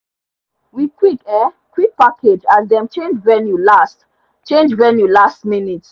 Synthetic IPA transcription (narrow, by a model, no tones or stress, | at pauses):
wikwikɛ | kwik̚pakʰed͡ʒazdɛ̃mt͡ʃẽnd͡ʒvɛnjulast | t͡ʃẽnd͡ʒvɛnjulastminits